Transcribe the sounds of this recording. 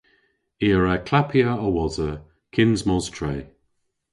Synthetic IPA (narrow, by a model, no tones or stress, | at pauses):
iəɹakʰl̥apʰiəɔwɔzə | kʰɪnzmɔztʰɹɛː